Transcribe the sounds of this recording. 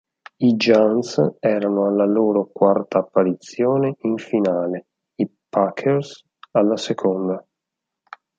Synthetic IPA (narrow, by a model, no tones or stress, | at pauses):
id͡ʒansɛːɾanoalːaloːɾokwart̪aːpːaɾit̪sːjoːneʔiɱfinaːle | ipakʰers | alːasekʰond̪a